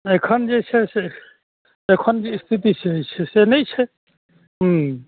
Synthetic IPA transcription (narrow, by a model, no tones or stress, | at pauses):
ekʰɔnd͡ʒet͡ʃʰɛse | ekʰɔnd͡ʒeist̪ʰit̪it͡ʃʰɛɦt͡ʃʰɛsenɛjt͡ʃʰɛ | ɦ